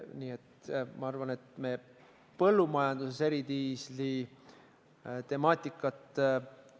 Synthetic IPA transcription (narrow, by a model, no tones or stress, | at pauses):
niːet̪mɑɑrvɑne̞t̪me̞ː | pɤ̞lːumɑjɑnd̪̥usese̞ɾid̪iːsli | t̪e̞mɑːt̪ʲˑːikːˑɑt̪ˑ